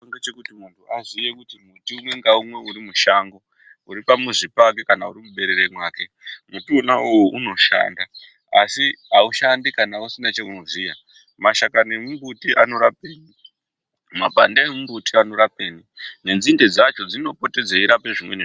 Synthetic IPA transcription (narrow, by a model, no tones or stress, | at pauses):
toŋɡet͡ʃekutimuntʰuazijekutimutiumwe̞ŋɡaumwe̞uɾimuʃaŋɡo̞ | uɾipamuʐipak̬ekanauɾimuɓe̞ɾeɾemwaːke̞ | mutiunaujuʔuno̞ʃa̰ːnda | asiɦauʃandikanausinat͡ʃekunozija | maʃakane̞mumbutiʔano̞ɾap̚eːni | ma̰bʱandaemumbutiano̞ɾape̞ːnine̞nd͡zinded͡zat͡ʃo̞d͡zino̞po̞te̞d͡zeiɾape̞ʐimwe̞̰ne